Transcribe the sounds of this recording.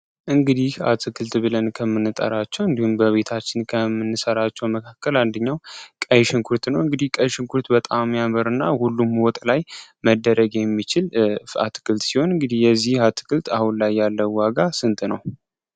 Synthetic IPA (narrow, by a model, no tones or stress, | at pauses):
ʔɨŋɡɨd̪iha̰t̪ʰɨkʰɨlt̪bɨlənkʰəmːɨnːɨt̪ʼə̰ɾat͡ʃːɛwɨnd̪ihumbəβe̞t̪ʰat͡ʃːɪnkʰəmːɨnːɨsəɾat͡ʃːɛwməkʰakːəland̪əɲːawkʼəjʃɪŋkʰuɾt̪nəwɨŋɡɨd̪ihkʼəjʃɪŋkʰuɾt̪bət̪ʼamːjaməɾɨnːahulːumwɔt̪ʼlajməd̪ːəɾəɡjɛmːit͡ʃɪla̰t̪ʰɨ̥kʰɨlt̪siho̞nɨŋɡɨd̪ihjɛzːihhat̪ʰɨ̥kʰɨlt̪ʰahunlajːalːəwaɡasɨnt̪ʼnəw